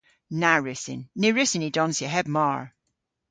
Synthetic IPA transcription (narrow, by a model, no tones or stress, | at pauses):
naɹɪsɪ̰nːeɹɪsɪnidɔnsjəɦɛb̚maɹ